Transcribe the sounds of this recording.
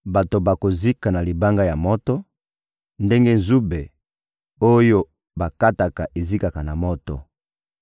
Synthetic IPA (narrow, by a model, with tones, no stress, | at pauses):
ba˨to˨ba˨ko˨zi˦ka˨na˨li˨ba˦ŋɡa˦ja˨mɔ˦tɔ˦ | nde˦ŋɡe˦nzu˦be˨ | o˦jo˦ | ba˨ka˦ta˨ka˨ʔe˨zi˦ka˨ka˨na˨mɔ˦tɔ̰˨